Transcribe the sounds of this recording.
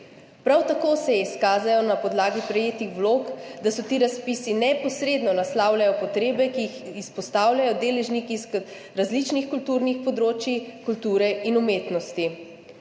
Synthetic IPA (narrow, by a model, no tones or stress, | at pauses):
pɾawt̪akoːsɛiskaːzajɔnapɔd̪laːɡipɾɛjeːt̪ixʋloːkd̪asɔt̪iːɾaspisinɛpɔsɾeːd̪nɔnaslaːwlʲjajɔpɔt̪ɾeːbɛkijixispɔst̪aːwlʲjajɔd̪eːlɛʒnikisk | ɾazlit͡ʃnixkult̪uɾnixpɔd̪ɾoːt͡ʃjikult̪uːɾɛinumeːt̪nɔst̪i